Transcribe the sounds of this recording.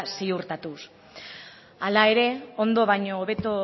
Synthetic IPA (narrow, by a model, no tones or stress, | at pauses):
siuɾt̪at̪us | alae̞ɾe̞o̞nd̪o̞βajɲo̞ːβe̞t̪o